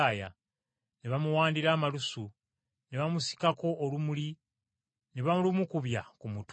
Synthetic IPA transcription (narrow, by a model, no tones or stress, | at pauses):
ja̰ | neβamuwaːndiɾaːmalusu | neβamusi̥kako̞ʔːlumuli | neβamulumukuβjakumut